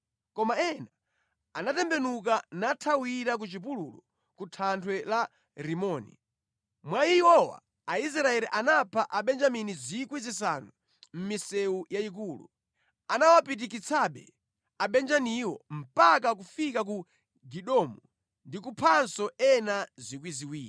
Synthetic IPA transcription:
kɔmaɛna | anatɛmbɛnuk̬anatʰawiɾak̬ut͡ʃip̬ululɔ | kutʰantʰwɛla | ɾimɔːnḭ | mwaihɔwa̰ | ais̬ɾaɛɾiʔanapʰaʔaɓɛnd͡ʒaminizikwizisa̰nu | m̩misɛujaik̬uːlṵ | anawapit̬ikit͡sʰaɓɛ̰ | aɓɛnd͡ʒaniwɔm̩pak̬ak̬ufikak̬u | ɡiɗɔmɔ | ndikupʰansɔɛnazikwiziwiːɾi

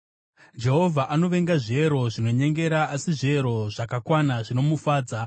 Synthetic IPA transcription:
d͡ʒe̞ɦo̞vʱaʔano̞ʋe̞ŋɡaʐe̞ɾo̞ʐino̞ɲe̞ŋɡe̞ɾaːsiʐieɾo̞ʐakakwanaʐino̞mufaːd͡za

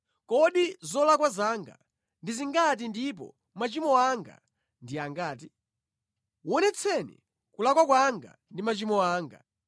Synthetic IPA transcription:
kɔɗizɔlakwazaŋɡa̰ | ndiziŋɡat̬indip̬ɔ̰ | mat͡ʃimɔaŋɡa̰ | ndiaŋɡaːti | wɔnɛt͡sʰɛnɛ̰ | kulakwak̬waŋɡa̰ndimat͡ʃimɔaːŋɡa̰

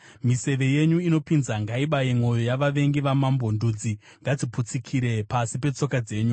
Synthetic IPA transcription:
mise̞ʋe̞jeɲuino̞pinzaŋɡaiɓajemo̞jo̞jaʋaʋe̞ŋɡiʋamambo̞nduːd͡zi | ŋɡad͡ziput͡sikʰiɾe̞pasipe̞t͡so̞kad͡ze̞ːɲu

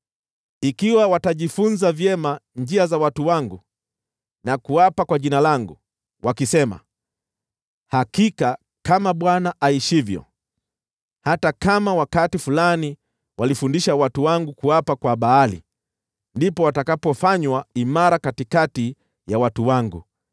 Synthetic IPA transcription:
ikiwawataʄifunzavjɛmand͡ʒiazawatuwaŋɡu | nakuapakwaʄinalaŋɡu | wʔakisɛma̰ | hakika | kamaɓwanaʔaiʃivjɔ̰ | hatakamawakatifulani | wʔalifundiʃawatuwaŋɡukuwapakwaɓaalḭ | ndipɔwatakapɔfaɲwaimaɾakatikati | jawatuwaŋɡṵ

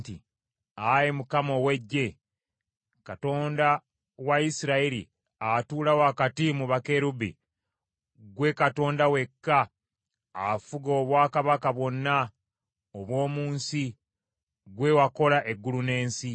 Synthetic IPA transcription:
tḭ | ajemukamo̞we̞ɟːe̞ | kato̞ːnda | waisiɾaiɾḭ | atuːlawakatimuβake̞ɾubḭ | ɡwe̞kato̞ːndawe̞kːa | afuɡo̞ːβwaːkaβakaβwo̞nːa | oβwo̞ːmuːnsi | ɡwe̞wako̞laʔe̞ɡːulune̞ːnsi

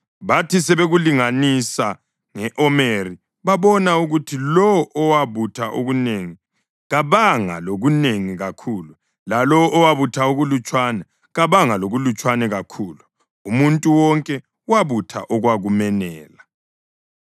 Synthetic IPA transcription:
βatʰisɛβeɣuliŋanisa | ŋɛʔɔmeri | βaβɔnauɣutʰilɔwʔɔwaβutʰaʔoɣuneːŋi | ɣaβaŋa̰loɣuneŋiɣakʰuːlu | lalɔʔːwaβutʰaoɣulut͡ʃʼwanɛ | ɣaβaŋaloɣulut͡ʃʼwanɛɣakʰuːlu | umuntʼuwɔŋkʼɛ | waβutʰa̰ʔɔɣwaɣumɛnɛːla

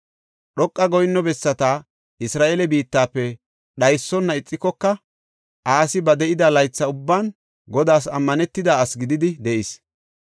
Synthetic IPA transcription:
ɗɔkʼːɐɡɔjnːɔbɛsːɐt̪a | ɪsɾaːʔelɛbiːt̪ːaːpːɛ | ɗɐjsːɔnːɐɪt͡sʼːɪkːɔkːɐ | ʔaːsɪbɐd̪ɛʔɪd̪ɐlɐjt͡sːɐʊbːaːn | ɡɔd̪aːs̬ɐmːɐnɛt̪ːɪd̪aːsɡɪd̪ɪd̪ɪd̪ɛʔɪs

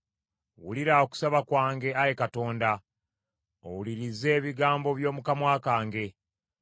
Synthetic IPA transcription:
wṵliɾaoku̥saβakwaːŋɡe̞ajekato̞ːnda | o̰wuliɾize̞ːβiɡaːmbo̞βjo̞ːmukamwaːkaːŋɡe̞

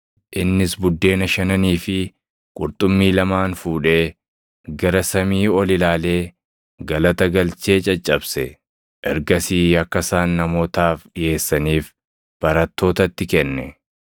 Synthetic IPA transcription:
ʔɪnːɪsbʊd̪ːe̞ːnɐʃɐnɐniːfɪ | kʼʊɾt̪ʼʊmːiːlɐmaːnfuːᶑe̞ː | ɡɐɾɐsɐmiːɔlɪlaːle̞ː | ɡɐlɐt̪ɐɡɐlt͡ʃe̞ːt͡ʃʼɐt͡ʃʼːɐbsɛ | ʔɛɾɡɐsiːɐkːɐsaːnːɐmo̞ːt̪aːfɗɪje̞ːsːɐniːf | b̥ɐɾɐt̪ːo̞ːt̪ɐt̪ːɪkɛnːɛ

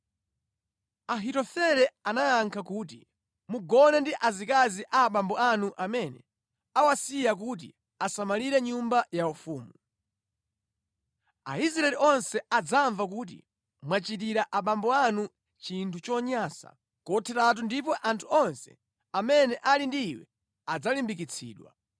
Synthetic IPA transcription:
aɦitɔfɛɾɛanajaŋkʰakuːt̬i | muɡɔnɛndiʔazikaziʔaːɓambɔanuʔamɛnɛ | awasijak̬uːt̬ḭ | asamaliɾɛɲumbajaufuːmu | a̰is̬ɾaɛliɔnsɛad͡zaɱvak̬uːt̬ḭ | mwat͡ʃit̬iɾaʔaɓambɔanu | t͡ʃintʰut͡ʃɔɲaːsa̰ | kɔtʰɛtat̬undip̬ɔʔantʰu̥ɔnsɛ̰ | amɛnɛʔalindiːwɛ̰ | ad͡zalimbik̬it͡sʰḭːɗwa̰

